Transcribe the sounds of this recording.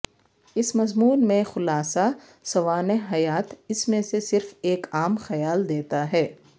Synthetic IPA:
ɪsmɐzmuːnmẽxʊlaːsa | sɐʋaːneɦɐjaːt̪ɪsmẽsesɪɾfeːkaːmxɐjaːld̪eːt̪aɦɛː

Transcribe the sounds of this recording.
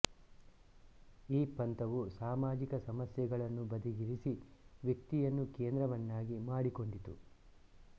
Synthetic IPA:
iːpɐnt̪ɐʋusaːmaːd͡ʒikɐsɐmɐsjɛɡɐɭɐnːubɐd̪iɡiɾisiʋjɐk̚t̪ijɐnːukeːnd̪ɾɐʋɐnːaːɡimaːɽiko̞ɳɖit̪ṵ

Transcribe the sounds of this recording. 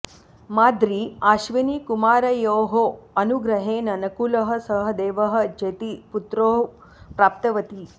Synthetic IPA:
maːd̪ɾiaːʃʋinikumaːɾɐjoːɦoɐnuɡɾɐɦeːnɐnɐkulɐɦɐ̆sɐɦɐd̪eːʋɐɦɐ̆d͡ʒet̪iput̪ɾoːɦ | pɾaːp̚t̪ɐʋɐt̪i

